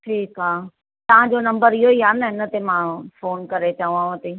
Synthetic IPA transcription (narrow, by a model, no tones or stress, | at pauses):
ʈʰiːkaː | t̪ɐʋ̤ãd͡ʑonɐ̃mbəɾiɦoiaːnɐɪnə̆t̪emãfoːnkɐɾet͡ɕɐũãɐt̪eː